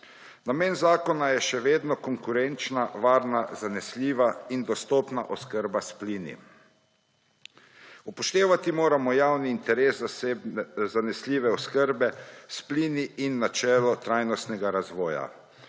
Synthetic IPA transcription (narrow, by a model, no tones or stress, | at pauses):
nameːnzaːkɔnajɛʃɛʋeːd̪nɔkɔŋkuɾɛnt͡ʃnaʋaːɾnazanɛslʲiːʋaind̪ɔst̪ɔːpnaʔɔskəɾbaspliːnḭ | upɔʃt̪eːʋat̪imoːɾamɔjaːwniːnt̪ɛɾeːsza | zanɛslʲiːʋɛɔskəɾbɛspliːniʔinːat͡ʃɛːlɔt̪ɾajnɔst̪nɛɡaɾazʋɔːja̰